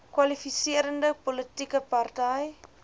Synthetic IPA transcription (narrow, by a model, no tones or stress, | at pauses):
kwɐlifisiəɾəndəpɔlətikəpɐrtɛj